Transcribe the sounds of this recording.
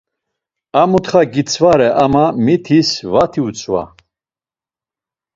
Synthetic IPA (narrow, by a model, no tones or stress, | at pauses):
amut̪χaɡit͡sʰvaɾɛʔamamit̪ʰisvat̪ʰiut͡sʰʼva̰